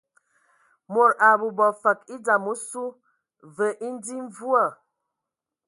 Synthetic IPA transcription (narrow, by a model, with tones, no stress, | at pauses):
mo˨ɾa˨bu˨bɔ˨fa˨ki˦d͡za˨mu˦su˦ | və˨ʔi˦n˦di˦ɱ˦vu˦a˨